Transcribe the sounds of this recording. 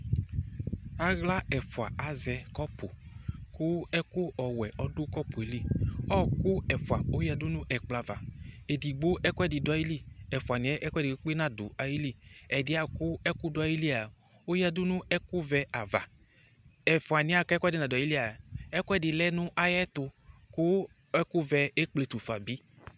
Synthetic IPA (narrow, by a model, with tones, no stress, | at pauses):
a˨ɣla˦ɛ˨fu˨a˨a˨zɛ˧kɔ˦pʊ˨kʊ˦ɛ˦ku˦ɔ˨wɛ˨ʔɔ˨˦dʊ˦kɔ˦pu˨e˨li˦ɔ˦kʊ˦ɛ˨fu˨a˨o˦ja˧du˦nʊ̃˦ʔɛ˨k͡pla˨va̰˨e˨di˨ɡ͡bo˦ʔɛ˦kʷɛ˦˨di˨dʊ˨a˨˦ji˦li˦˨ɛ˨fa˨nĩ˨˦ɛ˦ʔɛ˦kʷɛ˦˨di˨˦k͡pe˦nã˨dʊ̰˨a˨ji˦li˦˨ɛ˨dɪ˨˦a˨kʊ˦ɛ˦kʊ˦dʊ˨˦a˨ji˦li˦a˨ | o˦ja˨dʊ˦nʊ̃˦ɛ˦kʊ˦vɛ˦ʔa˨va̰˨ | ɛ˨fa˨nɪ̃˦a˨kkɛ˦dɪ˨nã˨da˨i˦li˦a˨ɛ˦ku˦ɛ˦dɪ˨lɛ˦nʊ̃˦ʔa˦jɛ˦t̪ʊ˧kʊ˦ | ɛ˦kʊ˦vɛ˧e˦k͡ple˨t̪u˨fa˨bi˦